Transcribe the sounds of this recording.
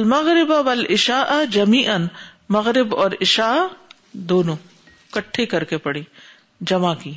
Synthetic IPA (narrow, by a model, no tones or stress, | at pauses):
ɐlmɐɣɾɪbawɐlɪʃaːʔɐd͡ʒɐmiːʔɐn | mɐɣɾɪbɔːɾɪʃaːʔ | d̪oːnõː | kɐʈʰːekɐɾkepɐɽiː | d͡ʒɐmakiː